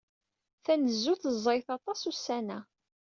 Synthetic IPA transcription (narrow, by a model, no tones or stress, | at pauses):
θænəzːuθəzˤːɾɪθɑt̪ˤɑsusænæ